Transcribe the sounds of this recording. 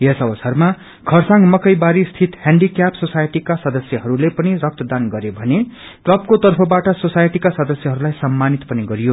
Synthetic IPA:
jesʌbʌsʌrma | kʰʌrsãŋmʌkʌjbaɾist̪ʰit̪hãɳɖikjapsosajeʈikasʌd̪ʌsjʌɦʌɾulepʌnirʌk̚t̪ʌd̪anɡʌɾebʱʌne | ʈlʌp̚kot̪ʌrpʰʌbaʈʌsosajʈikasʌd̪ʌsjʌɦʌɾulajsʌmːanit̪pʌniɡʌɾijo

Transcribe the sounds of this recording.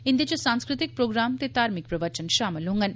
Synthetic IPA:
ind̪it͡ɕosãŋskɾɪt̪ik̚pɾoːɡɾaːmt̪et̪aːɾmik̚pɾɐʋət͡ʃənʃaːməlɦũŋɡɐn

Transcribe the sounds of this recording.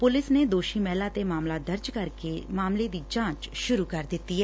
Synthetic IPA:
pʊlɪsned̪oːʃimɛːlat̪emaːmlad̪əɾd͡ʒkəɾkemaːmled̪iːd͡ʒãːt͡ʃʃʊɾukəɾd̪ɪt̪ːiɦɛː

